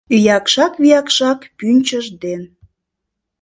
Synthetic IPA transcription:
yjɑkʃɑkβijɑkʃɑkpynʲt͡ɕəʒd̪en

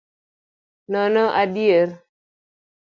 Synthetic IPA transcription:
nɔnɔʔabieɾ

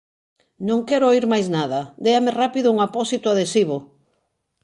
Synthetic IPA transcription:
nõŋkɛɾooiɾmajznaðɐd̪eamerapiðʊuŋapɔsit̪ʊaðesiβ̞o

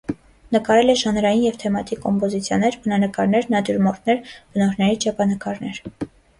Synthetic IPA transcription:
nəkɑɾɛlɛʒɑnɾɑjinjɛvt̪ʰɛmɑt̪ikːɔmpɔzit͡sʰjɑnɛɾbənɑnəkɑɾnɛɾnɑd̪juɾmɔɾt̪ʰnɛɾb̥ənɔɾnɛɾit͡ʃʰɛpʰɑnəkɑɾnɛɾ

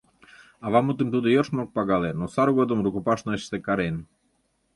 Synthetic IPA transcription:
ɑβɑmut̪əmt̪ud̪ojorʃmok̚pɑɣɑlenosɑɾɣod̪əmrukupɑʃnoeʃt̪ekɑɾen

